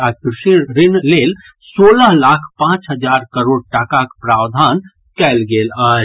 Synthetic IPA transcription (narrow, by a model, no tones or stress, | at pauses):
akɾɪʃiɾɪnleːl | soːləɦlakʰpãːt͡ʃɦəd͡ʒaːɾkəɾoːɽ̚ʈakakpɾaːwd̪ʱaːn | kɛlɡeːlə